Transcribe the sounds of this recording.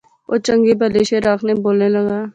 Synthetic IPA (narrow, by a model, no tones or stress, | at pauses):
o̰ːt͡ʃə̃ŋɡebəleːʃeɾaːkʰneboːlneləɡaː